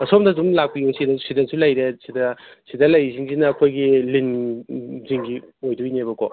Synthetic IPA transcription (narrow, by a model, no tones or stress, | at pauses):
ɐsomdɐdumlak̚pijuŋsidɐsidɐsulɐjɾesidɐsidɐlɐjziŋzinɐːkʰojɡilin | ziŋɡiojduinebɐkʰo